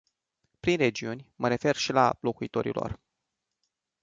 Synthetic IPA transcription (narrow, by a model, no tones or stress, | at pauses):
pɾinre̞d͡ʒiunʲməɾe̞fe̞rʃila̰lo̞kuit̪o̞ɾḭlo̞̰r